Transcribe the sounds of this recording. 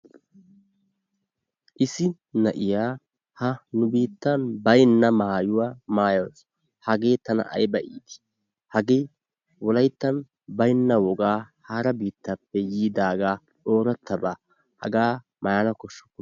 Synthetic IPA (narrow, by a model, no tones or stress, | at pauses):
ʔɪsɪ | nɐʔɪjaː | hɐnʊbiːt̪ːɐnbɐjnːɐmaːjʊwaːmaːjoːs | hɐɡe̞ːt̪ɐnɐ̰ʔɐ̰jbɐʔiːd̪ɪ̥ | hɐɡe̞ː | wɔlɐjt̪ːɐn | bɐjnːɐwɔɡaːhaːɾɐbiːt̪ːɐpːɛjiːd̪aːɡaː | ᶑo̞ːɾɐt̪ːɐbaː | hɐ̰ɡaː | mɐjaːnɐkɔʃːɔ̥kːʊ